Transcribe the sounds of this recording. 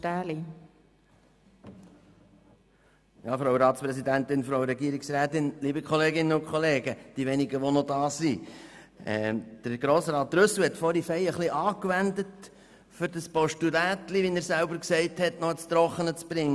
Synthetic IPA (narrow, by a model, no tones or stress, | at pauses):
tæːli | jɑːfɾowɾɑːt̪spɾɛsid̪ænt̪ɪnfɾowɾɛɡiəɾɪksɾæːt̪ɪnliːbəkʰχɔleːɡɪnːəʊnkχɔleːɡəd̥iʋɛnɪɡəʋɔnɔdɑːsi | ɛ̰d̪̥əɾɡ̥ɾoːsɾɑːt̚ːɾɵslhɛtfɔɾifɛjəχliʔɑːkʋænd̪ət | fʏɾd̥əspɔʃtudæːt̪liʋinæɾsæʊbəɾksɛɪthɛtnɔət͡st̪ɾɔχənət͡sb̥ɾɪŋːə